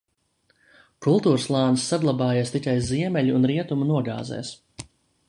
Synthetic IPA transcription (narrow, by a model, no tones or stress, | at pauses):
kulˠt̪uːɾslˠaːnsːaɡlˠabɑːjast̪ikʲajziɛmɛʎuːnɾiɛt̪umunuɔɡa̰ːzɛ̰ːs